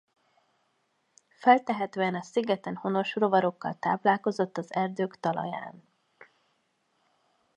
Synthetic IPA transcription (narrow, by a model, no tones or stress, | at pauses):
fɛlt̪ɛɦɛt̪øːɛnɒsiɡɛt̪ɛnho̞no̞ʃro̞vɒɾo̞kːɒ̰lt̪a̰ːplaːlko̞zo̞t̪ːɒzɛrd̪øːkt̪ɒlɒ̰ja̰ːn